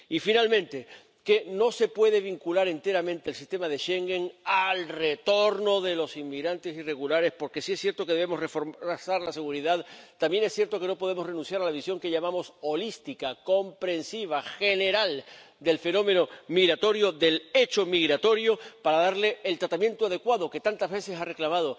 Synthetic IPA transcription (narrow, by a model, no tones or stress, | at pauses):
ifinalmẽ̞nt̪e̞ | ke̞no̞se̞pwe̞ð̞e̞β̞iŋkulaɾe̞nt̪e̞ɾamẽ̞nt̪eːlsist̪e̞maðe̞ʃe̞ŋɡe̞ŋalre̞t̪o̞ɾno̞ðe̞lo̞simmːiɣɾant̪e̞sire̞ɣulaɾe̞spo̞ɾke̞siesːje̞ɾt̪oke̞ðe̞βemo̞srefoɾasaɾlase̞ɣuɾiðaðt̪ambje̞nesθje̞ɾt̪o̞ke̞no̞po̞ð̞e̞more̞nũnθjaɾalaβ̞isjo̞ŋke̞ʎamamo̞so̞list̪ikako̞mpɾe̞nsiβ̞axe̞ne̞ɾal | d̪e̞lfe̞nõ̞me̞no̞miɣɾat̪o̞ɾjo̞ðe̞le̞t͡ʃo̞miɣɾat̪o̞ɾjo̞paɾaðaɾle̞ːlt̪ɾat̪amje̞nt̪oað̞e̞kwaðo̞ke̞t̪ant̪azβe̞se̞sare̞klamað̞o̞